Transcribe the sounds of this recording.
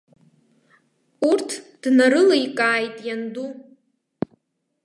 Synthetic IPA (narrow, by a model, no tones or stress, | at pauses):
urtʰd̥naɾɨlajkʼaːjtʼjandu